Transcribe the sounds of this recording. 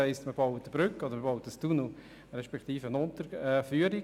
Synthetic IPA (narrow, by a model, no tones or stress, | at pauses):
ɛɪstməbɑwət̪əb̥ɾʏkːɔd̪əɾməbɔʊətəstunu | ɾɛʃpɛkχt̪iːfəənʊnt̪əɾɛfyːəɾi